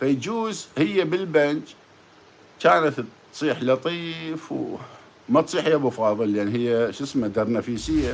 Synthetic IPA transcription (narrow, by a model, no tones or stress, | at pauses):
fajd͡ʒuːzhɪjːabɪlbant͡ʃ | kaːnat̪t̪ | sˤiːħlɑt̪ˤiːfw | mat̪sˤiːħhijːabʊfɑːðˤɨlːʔanːɦɪjːaʃɪsmad̪aɾˤnafiːsɪjːa